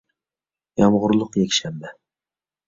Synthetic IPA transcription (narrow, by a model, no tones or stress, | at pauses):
jɑmʁʊɾlˠʊqjɛkʲʃɛmbɛ